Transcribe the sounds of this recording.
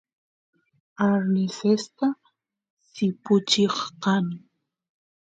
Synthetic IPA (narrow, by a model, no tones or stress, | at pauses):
aɾnɪsest̪a | sɪpʊt͡ʃeχqɑŋ